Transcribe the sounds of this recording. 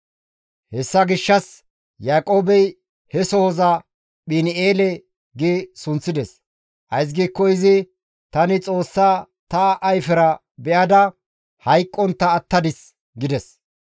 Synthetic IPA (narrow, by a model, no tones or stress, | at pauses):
hɛsːɐɡɪʃːɐs | jaːkʼo̞ːbɛj | hɛsɔhɔzɐ | ɓɪnɪeːlɛ | ɡɪsʊnt͡sːɪd̪ɛs | ʔɐjs̬ɡiːkːɔɪzɪ | t̪ɐnɪt͡sʼo̞ːsːaː | t̪ɐʔɐjfɛɾɐ | bɛʔɐd̪ɐ | hɐjkʼːɔnt̪ːɐːt̪ːɐd̪ɪs | ɡɪd̪ɛs